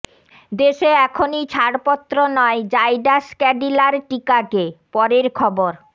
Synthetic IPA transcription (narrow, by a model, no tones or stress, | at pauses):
d̪eʃeɛkʰonit͡ɕʰaɽpɔt̪ːɾonɔed͡ʑajɖaskɛɖilaɾʈikakepɔɾeɾkʰɔboɾ